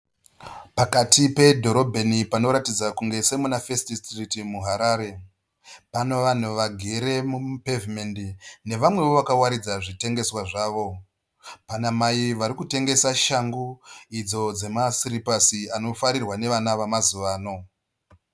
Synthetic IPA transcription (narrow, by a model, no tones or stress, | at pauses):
pakatipe̞dʱo̞ɾo̞bʱenipano̞ɾatid͡zakuŋɡe̞se̞munafestistritimuɦaɾaːɾe̞ | pano̞ʋan̤uʋaɡʱe̞ɾe̞mupevimendine̞ʋamwe̞ʋo̞ʋakawaɾid͡zaʐite̞ŋɡe̞swaʐaːʋo̞ | panamaiʋaɾikute̞ŋɡe̞saʃaŋɡuid͡zo̞d͡ze̞masiɾipasiano̞faɾirwane̞ʋanaʋamazuʋaːno̞